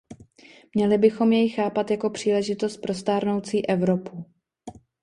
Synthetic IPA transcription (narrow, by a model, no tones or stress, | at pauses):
mɲɛlɪbɪxo̞mjɛjxaːpat̪jako̞pr̝̥iːlɛʒɪt̪o̞st̪̚pɾo̞st̪aːɾno̞wt͡siːʔɛvɾo̞pu